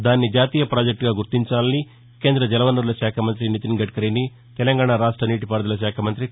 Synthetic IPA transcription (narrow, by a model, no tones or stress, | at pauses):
d̪aːnːid͡ʒaːt̪iːjɐpɾaːd͡ʒek̚ʈɡaːɡuɾt̪iɲt͡ʃaːlɐni | ke̞ːnd̪ɾɐd͡ʒɛlɐʋɐnːɐɾulɐʃaːkʰɐmɐnt̪ɾinit̪iŋɡɐʈ̚kɐɾini | t̪ɛlɐŋɡaːɳaɾaːʂʈɾɐniːʈipaːɾd̪ɐlɐʃaːkʰɐmɐnt̪ɾi